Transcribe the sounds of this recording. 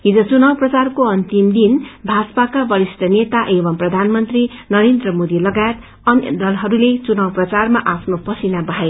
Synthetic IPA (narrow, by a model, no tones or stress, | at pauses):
ɦid͡zʌt͡sunawprʌt͡sarkoʌnt̪imd̪inbʱad͡zpakabʌɾisʈʌnet̪aʔebʌmprʌd̪ʱanmʌnt̪rinʌɾend̪rʌmod̪ilʌɡajet̪ | ʌnʌ̰d̪ʌlɦʌɾulet͡sunawprʌt͡sarmaʔapʰnopʌsinabʌɦae